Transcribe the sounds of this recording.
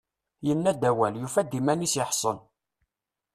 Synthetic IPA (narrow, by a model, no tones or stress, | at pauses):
jənːæd̪æwæljufæd̪imænisjəħsˤən